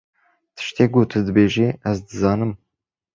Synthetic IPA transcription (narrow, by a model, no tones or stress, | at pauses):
t̪ʰɨ̥ʃt̪eːɡot̪ʰɨd̪ɨbeːʒeʔæzd̪ɨzɑːnɨm